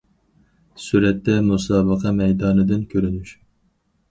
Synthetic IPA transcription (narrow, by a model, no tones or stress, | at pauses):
suɾɛt̪ːɛmusɑːbəqʰɑmɛjd̪ɑːnɨd̪ɨnkʲʰøɾynyʃ